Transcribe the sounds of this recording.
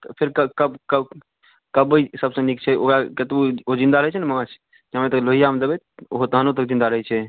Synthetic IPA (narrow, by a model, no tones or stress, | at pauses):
t̪pʰeɾkəkəbkə | kəbəsəbsə̃nik̚t͡ʃʰɛo̰kɾaket̪uod͡ʒind̪aɾəɦɛt͡ʃʰɛnɛməmat͡ʃʰ | d͡ʒamet̪əkloɦijamed̪ebɛt̪ɦot̪ɦənot̪̬əkd͡ʒind̪aɾəɦɛt͡ʃʰɛ